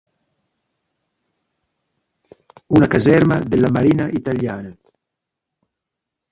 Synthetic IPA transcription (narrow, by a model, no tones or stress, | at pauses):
unakazɛɾma̰d̪elamaɾinaʔit̪aljaːna